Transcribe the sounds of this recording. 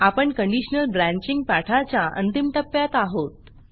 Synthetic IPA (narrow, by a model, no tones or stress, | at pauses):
apəɳkəɳɖiɕnəlbɾãɲt͡ɕiŋɡ̚paʈʰat͡ɕjaʔə̰nt̪imt̪əpːjat̪aɦot̪̚